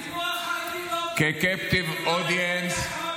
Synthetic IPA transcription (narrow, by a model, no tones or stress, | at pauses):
kekɛpt̪ivɔd̪iɛns